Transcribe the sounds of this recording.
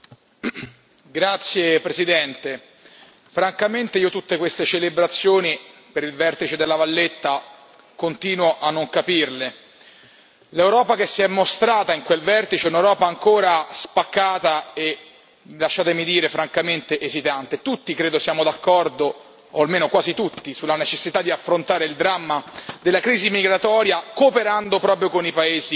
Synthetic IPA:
ɡɾat̪sːjepɾesid̪ɛnt̪e | fɾaŋkament̪eiːot̪ut̪ːekwest̪et͡ʃelebɾat̪sːjoːnipeɾilvɛrt̪it͡ʃed̪elːavalːet̪ːa | kont̪iːnwoʔanːoŋkapirle | lewɾɔːpak̟esːiɛmːost̪ɾaːt̪aiŋkwelvɛrt̪it͡ʃeɛunewɾɔːpaːŋkoːɾaspakːaːt̪ae | laʃːaːt̪emid̪iːɾefɾaŋkament̪eʔezit̪ant̪et̪ut̪ːikɾeːd̪osjaːmod̪akːɔrd̪oː | almeːnokwaːzit̪ut̪ːisulːanet͡ʃesːit̪ad̪ːiafɾont̪aːɾeild̪ɾamːad̪elːakɾiːzimiɡɾat̪ɔːɾjakoːpeɾand̪opɾɔːpɾjokonipaeːzi

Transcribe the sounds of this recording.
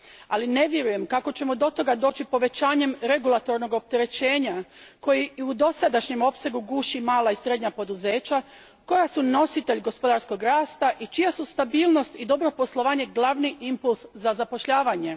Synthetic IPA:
aline̞ʋje̞ɾuje̞mkako̞t͡ɕe̞mod̪o̞t̪o̞ɡad̪o̞ːt͡ʃipo̞ʋe̞t͡ɕaːɲe̞mɾe̞ɡulˠat̪o̞ɾno̞ɡo̞p̚t̪e̞ɾe̞t͡ɕe̞ːɲako̞jiud̪o̞sad̪aʃɲe̞mo̞pse̞ɡuɡuːʃimaːlaisɾe̞d̪ɲapo̞d̪uze̞ːt͡ɕa | ko̞jasuno̞sit̪e̞ʎɡo̞spo̞d̪aɾsko̞ɡɾaːst̪aʔit͡ʃijasust̪abiːlˠno̞st̪id̪o̞bɾo̞po̞slˠo̞ʋaːɲe̞ɡlˠaʋniʔimpulˠszazapo̞ʃʎaːʋaɲe̞

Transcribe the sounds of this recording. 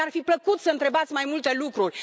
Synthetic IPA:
arfipləkut̪səɨnt̪ɾe̞bat̪sʲmajmult̪e̞lukɾurʲ

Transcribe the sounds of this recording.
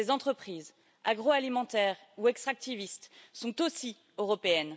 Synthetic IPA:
ezɑ̃t̪χəpχiːz | aɡʁoalimɑ̃t̪ɛːʁ | uɛkst̪χak̚t̪ivist̪sɔ̃t̪osi | øʁɔpeɛn

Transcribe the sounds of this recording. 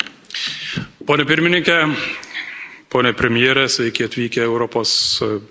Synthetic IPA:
poːnʲɛpʲɪɾʲmʲɪnʲɪŋʲkʲɛ | poːnʲɛpʲɾʲɛmʲɪjeːɾʲɛsʲʋʲɛɪkʲɪɐt̪ʲʋʲiːkʲɛɛʊɾɔpoːs

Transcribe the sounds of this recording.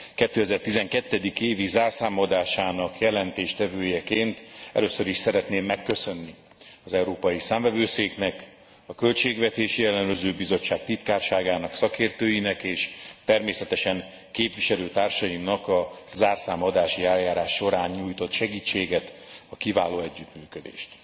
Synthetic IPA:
kɛt̪ːøːɛzɛrt̪izɛŋkɛt̪ːɛd̪ikeːvizaːrsaːmod̪aːʃaːnɒkjɛlɛnt̪eːʃt̪ɛvøːjɛkeːnt̪ɛ̰løːsːøɾiʃsɛɾɛt̪neːmːɛkːøsø̞nːi | ɒzɛwɾoːpɒjisaːmvɛvøːseːknɛk | ɒkø̞lt͡ʃeːɡvɛt̪eːʃijɛlɛnøzøːbizo̞t͡ʃːaːk̚t̪it̪kaːrʃaːɡaːnɒksɒkeːrt̪øːjinɛkeːʃt̪ɛrmeːsɛt̪ɛʃɛŋ | keːpviʃɛløːt̪aːrʃɒjimnɒkɒzaːrsaːmod̪aːʃiɛljaːɾaːʃːo̞ɾaːɲɲuːjt̪o̞t̪ʃɛɡiːt͡ʃːeːɡɛt̪ɒkivaːloːɛɟːyt̪myːkød̪ḛːʃt̪

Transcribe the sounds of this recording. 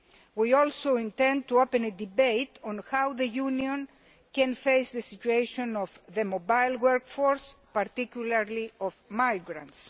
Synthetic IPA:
wiolsoĩnt̪ɛ̃nd̪̚t̪uopẽned̪ibejt̪ɔ̃nhawðejunjõn | kɛ̃nfejsðesit͡ʃueʃõnɔfðemobajlwɛɾkfoɹspaɾt̪ikjulaɾliɔfmajɡɾã̰nts

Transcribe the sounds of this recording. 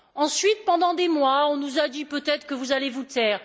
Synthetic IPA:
ɑ̃sɥit̪̚pɑ̃d̪ɑ̃d̪emwaɔ̃nuzad̪ipøt̪ɛt̪χə̥kəvuzalevut̪ɛːʁ

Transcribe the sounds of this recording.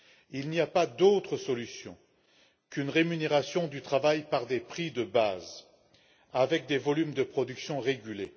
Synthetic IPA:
ilniapad̪ot̪χəsɔlysjɔ̰̃ | kynʁemyneʁasjɔ̃d̪yt̪χavajpaʁd̪epχid̪əbaz | avɛk̚d̪evɔlymd̪əpχɔd̪yksjɔ̃ʁeɡʲyle

